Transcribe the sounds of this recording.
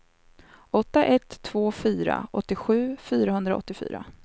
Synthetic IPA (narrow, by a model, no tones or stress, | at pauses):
ʔɔt̪ːaʔɛt̪ʰːvoːfyːɾa̰ʔɔt̪ːɪɧʉ̟ːfyːɾaɦɵnd̪ɾaɔ̰t̪ːɪfy̰ːɾa̰